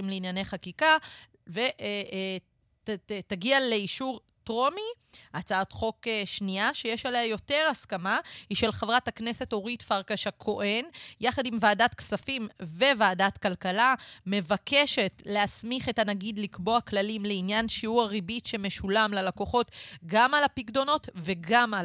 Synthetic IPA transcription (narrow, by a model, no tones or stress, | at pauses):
imleinjaneχakika | veʔ | taɡiale̞iʃuʁ | tʁo̞mi | ʔat͡saat̪χo̞keʃniaʃejeʃalejajo̞te̞ʁaskamahiʃe̞lχavʁataknese̞to̞ʁitfaʁkaʃakʰo̞ʔe̞njaχadimvaːdatksafimve̞vaːdatkalkalame̞vakʰe̞ʃe̞tleasmiχetanaɡid̪likbo̞aklalimleinjanʃiuʁaʁibitʃe̞me̞ʃulamlalako̞χo̞tɡamalapiɡdo̞no̞tve̞ɡama